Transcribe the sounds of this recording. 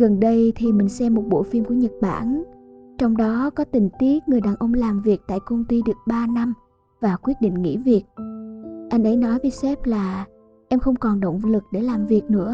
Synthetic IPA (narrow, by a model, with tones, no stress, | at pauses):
ɣə˨˩nɗə˧jt̪ʰi˨˩mï˨˩ŋ̟sɛ˧mːo˨˩t̚ɓo̰˧˨fi˧mku˧˩əɲə˨˩t̚ɓa̰ː˧˩nt͡ɕɔ˧wŋ͡mɗɔ˨˦kɔ˨˦t̪ï˨˩ŋ̟t̪i˨˦˥ək̚ŋɨ˨˩əjɗaː˨˩nʔə˧wŋ͡mlaː˨˩mvi˨˩ək̚t̪a̰ː˧˨jkə˧wŋ͡mt̪i˧ɗɨ˨˩ək̚ɓaː˧na˧m | vaː˨˩kwi˦˥ət̚ɗḭ˧˨ŋ̟ŋḭ˧˥vi˨˩ək̚ | ʔa˧jŋ̟ʔə˨˦jnɔ˨˦jve˨˦jsɛ˦˥p̚laː˨˩ | ʔɛ˧mxə˧wŋ͡mkɔ˨˩nɗə̰˧˨wŋ͡mlɨ˨˩k̚ɗe˧˩laː˨˩mvi˨˩ək̚nɨ̰˧˥ə